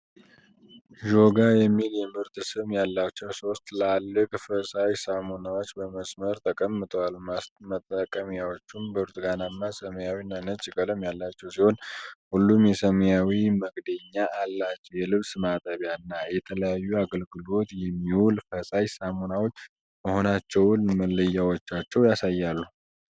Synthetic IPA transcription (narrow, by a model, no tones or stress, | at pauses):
ʒo̞ɡajɛmːiljɛmɨɾt̪sɨmjalːat͡ʃːɛwso̞st̪lalːɨkʼfəsajsamonawo̞t͡ʃːbəməsməɾt̪ʰəkʼəmːɨt̪ʼəwalmət̪ʼːəkʼːəmjawo̞t͡ʃːumbəɾt̪ʼɡanamːasəməjawinːanət͡ʃʼːikʼələmjalːat͡ʃːɛwsiho̞nhulːumjɛsəməjawiməɡd̪əɲːaʔːlːat͡ʃːɛwjɛlɨβsɨmat̪ʼəβjaɨnːajɛt̪ʰələjajːuaɡəlɡɨlo̞t̪jɛmːiwulfəsajsamo̞nawo̞t͡ʃː | məho̞nat͡ʃːɛwʊnməlːəjːawot͡ʃːat͡ʃːɛwjasajːalːu